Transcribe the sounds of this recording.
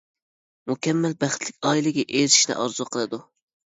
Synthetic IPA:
mukʲʰɛmːælbæχt̪ʰlɪkʲɑːilˠɪɡʲɛʔeɾiʃnɪ̰ʔɑɾzuqʰəlˠɨd̪u

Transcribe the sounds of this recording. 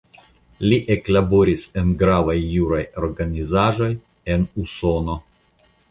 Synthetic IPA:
lʲiʔeklabo̞ɾʲisenɡɾavajːuɾajoɾɡanizaʒo̞j | enuso̞no̞

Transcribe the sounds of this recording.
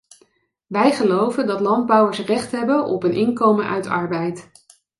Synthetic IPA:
ʋɛjχəlowvəndɑtlɑnd̚bʌwəɹsrɛχtɦɛbənʔɔ̰pənʔɪŋkowmənʔœ̰ɥtɑ̰ɹbɛjt

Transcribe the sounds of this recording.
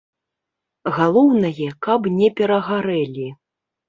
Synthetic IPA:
ɣalˠɔwnɐjɛkapnʲɛpʲɛɾɐɣaɾɛlʲi

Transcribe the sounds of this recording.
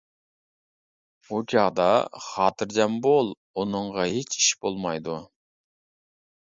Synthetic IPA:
okʲʰɑʁd̪ɑχɑːt̪ʰɨɾd͡ʒɑmbolˠ | onɨɴʁɑɦet͡ʃʰi̥ʃbolˠmɑjd̪u

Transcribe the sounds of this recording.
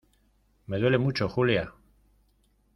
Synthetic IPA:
med̪welemut͡ʃoxulija

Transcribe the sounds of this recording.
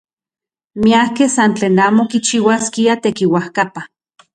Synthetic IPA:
miahkehsant͡ɬeːnaːmokit͡ʃiwaskiat̪ekiwahkapa

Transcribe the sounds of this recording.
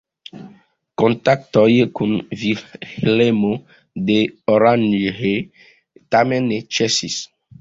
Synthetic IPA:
kɔ̃nt̪ak̚t̪ɔjekũnvihlemo | d̪eɔɾanhe | t̪amɛ̃nːet͡ʃɛsis

